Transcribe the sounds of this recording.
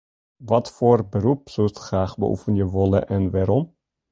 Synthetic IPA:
ʋɑtfʊːrbəɾupsɵlstχraːχbə̰ʔṵfənjəʋɔlə̰ʔɛnʋaːɾɔm

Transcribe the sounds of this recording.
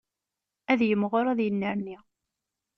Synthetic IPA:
æðjəmːʁʊɾæðjənːəɾni

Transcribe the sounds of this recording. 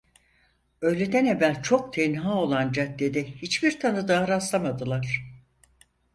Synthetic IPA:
ø̞jlʲe̞d̪æne̞vːælʲt͡ʃʰo̞k̚t̪ʰɛnɦao̞lˠand͡ʒat̪d̪ʲed̪ɛhit͡ʃbiɾt̪ʰanɯd̪aːɾaslˠamad̪ɯlˠaɾ̥

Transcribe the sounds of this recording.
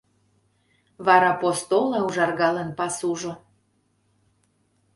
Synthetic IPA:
βɑɾɑpost̪olɑuʒɑrɣɑlənpɑsuʒo

